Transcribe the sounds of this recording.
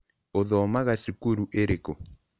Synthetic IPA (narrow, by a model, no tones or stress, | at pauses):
oðɔmaɣasikuɾuʔeɾeko